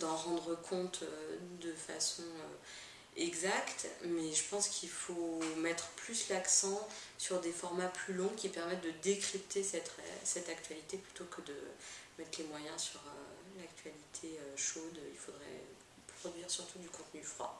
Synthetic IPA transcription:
d̪ɑ̃ʁɑ̃d̪ʁəkʰɔ̃t̪ʰød̪əfa̰sɔ̃ø̰ | ɛɡzakt̪mɛʒəpɑ̃skʲʰilfomɛt̪χəplyslaksɑ̃syʁd̪efɔʁmaplylɔ̃kʲipɛʁmɛt̪̚d̪əd̪ekχip̚t̪ʰesɛt̪ɛ̰sɛt̪ak̚t̪ɥalit̪eplyt̪okʰəd̪ə̰mɛt̪χlemwajɛ̃syʁø̰lakt̪ʰɥalit̪ʰeøʃod̪ḭlfod̪ʁɛ̰ | pχɔd̪ɥiʁsyʁt̪ud̪ykɔ̃t̪nyfχwa̰

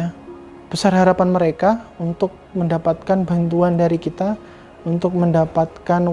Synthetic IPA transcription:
b̥əsarɦaɾapanməɾekaunt̪ʊk̚məndapat̪̚kanbant̪uandaɾikit̪a | unt̪ʊk̚məndapat̪̚kan

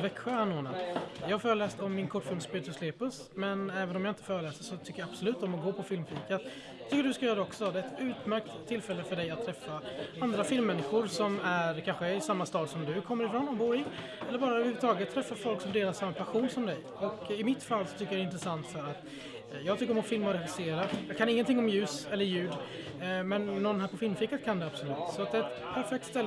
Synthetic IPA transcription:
vɛkɧəaɳnːoːna̰d̪jɑːhaɾfœːɾəlɛːst̪ɔmːɪnkʰɔʈːfɪlmspyːt̪ʰəskleːpəs | mɛnɛːvənɔmjaːɪnt̪əfœːɾəlɛːsəʂɔt̪ʰʏkːəjaab̥sɔlʉ̟ːt̪ɔmɔɡoːpʰɔfɪlmfiːkat̪ | t̪ʰʏkːəɖɵskajœːɾad̪ɛɔksɔd̪ɛɛt̪ʉ̟ːt̪mæɾk̚t̪ʰːɪlfɛlːəfœɖɛjat̪ʰːɾɛfːaand̪ɾafɪlmːɛnːɪɧʊɾsɔmæɾkʰanɧəɪsamːast̪ɑːd̪sɔmd̪ɵkʰɔmːəɾɪfɾɔnɔbuːɾɪ | ɛlːəɾbɑːɾaəɵːvəɾhʉvːət̪ʰɑːɡət̪ʰːɾɛfːafɔlksɔmd̪eːlaɾsamːapʰaɧuːnsɔmd̪ɛj | ɔkɪmɪt̪falːsɔt̪ʰʏkːəjaɾɛɪnt̪ɾəsant̪fœɾat̪ | jɑːɡt̪ʏkːəɾɔmɔfɪlmaɔɾɛɧɪseːɾajɑːɡkʰanɪŋːənt̪ɪŋːɔmjʉ̟ːsɛlːəɾjʉ̟ːd̪ | mɛnːɔnːɦæːɾpʰɔfɪlmfiːkat̪̚kʰand̪ɛab̥sɔlʉːt̪ːsɔat̪d̪ɛɛt̪pʰæɾfɛk̚t̪st̪ɛlː

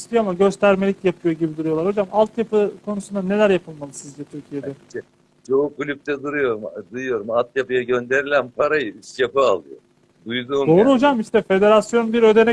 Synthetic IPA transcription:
ist̪ʰijoamaɟø̞st̪ʰæɾme̞lʲicjapʰɯjo̞ɟibid̪uɾujo̞lˠaɾho̞d͡ʒamalˠt̪japɯkʰo̞nusund̪ane̞lʲæɾjapʰɯlˠmalˠɯsizd͡ʒɛt̪ʰyɾcʰije̞d̪ɛɛ | t͡ʃʰoːkulʲyp̚t̪ʰɛd̪uɾujo̞ɾumd̪ɯjɯjo̞ɾumalˠt̪japɯjaɟø̞nd̪e̞ɾilʲænpʰaɾajɯiʃʃjapɯalˠɯjo̰ | d̪ujd̪uːd̪o̞ːɾuɦo̞d͡ʒamiʃt̪ɛfe̞d̪e̞ɾasjo̞nbiɾø̞d̪e̞nɛ

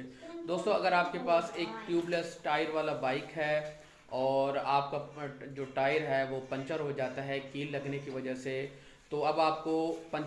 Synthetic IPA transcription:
d̪oːst̪õɐɡəɾaːp̚kepaːseːk̚ʈjuːbləsʈaːɪɾʋaːlabaːɪkɦɛː | ɔːɾaːp̚kad͡ʒoːʈaːɪɾɦɛʋopɐ̃ɲt͡ʃəɾɦod͡ʒaːt̪aɦɛkiːlːɐɡnekiʋɐd͡ʒəɦse | t̪oɐbaːp̚kopɐ̃

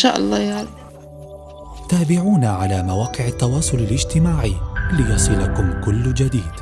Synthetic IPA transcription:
ʃa̰ːʔɑ̰lˤːɑːjal | t̪aːbɪʕuːnaʕalaːmawaːqɪʕat̪ːɑwɑːsˤʊlalʔɪd͡ʒt̪ɪmaːʕilɪjɑsˤɨlakʊmkʊlːd͡ʒad̪iːd̪

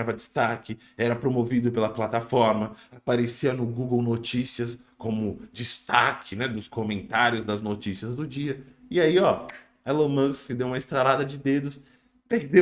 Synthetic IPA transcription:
avɐd͡ʒɪst̪akɪ | ɛɾɐpɾomovid̪ʊpelɐplat̪afɔɾmɐapaɾesiɐnʊɡuɡownot͡ʃisiɐs | kõmʊd͡ʒist̪akʰɪnɛd̪ʊskomẽnt̪aɾjʊzd̪ɐznot͡ʃisiɐzd̪ʊd͡ʒiɐ | ɪaiɔ | ɐlomɐ̃skɪd̪ewũmɐɪst̪ɾalad̪ɐd͡ʒɪd̪ed̪ʊs | peɾd̪e

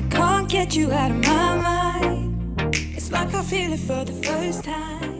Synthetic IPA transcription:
ɪkʰɑ̃nɡ̥ɛt͡ʃɨaʊɾʌvmaɪmaɪɪ̃n | ɨtslaɪkaɪfilˠɨtfə˞ðəfɜ˞stʰãɪ̃m

